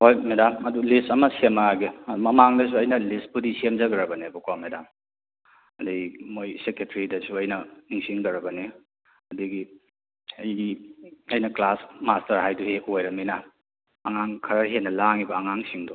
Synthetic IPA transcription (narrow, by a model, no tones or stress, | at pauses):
hojmedamɐdulistɐmɐsemɐaɡimɐmaŋdɐs̬uɐjnɐlispudisemzɐɡɐɾɐbɐnebukwawmedam | ɐdimojseketʰɐɾidɐsuɐjnɐniŋsiŋɡɐɾɐbɐne | ɐdiɡi | ɐjiɐjnɐklasmastɐɾɦajduhekojɾɐminɐː | ŋaŋkʰɐɾɐɦenɐlaŋibɐːŋaŋsiŋdɔ